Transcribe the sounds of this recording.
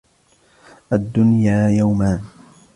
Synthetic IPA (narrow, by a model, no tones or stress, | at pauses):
ʔad̪ːʊnjaːjawmaːn